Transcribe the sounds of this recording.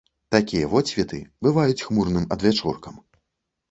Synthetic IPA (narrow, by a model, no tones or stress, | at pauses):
t̪akʲijɐvɔt͡sʲvʲit̪ɨ̰bɨvajut͡sʲxmurnɨmɐd̪vʲat͡ʂṵrkɐm